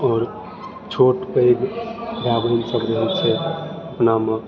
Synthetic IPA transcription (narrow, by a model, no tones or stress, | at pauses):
ɔːɾ | t͡ʃʰoʈpəjɡbʱabəɪnsəbɾəɦəlt͡ʃʰɛəpnamẽ